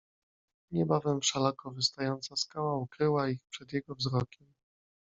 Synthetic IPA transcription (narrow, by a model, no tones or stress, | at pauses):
ɲɛbavɛmʂalakɔvɘst̪ajɔnt̪saskawaukɾɘwaixpʂɛd̪jɛɡɔvzɾɔkʲɛm